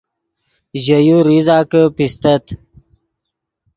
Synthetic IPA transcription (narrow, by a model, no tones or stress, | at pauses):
ʑəjuɾizɑːkəpist̪ət̪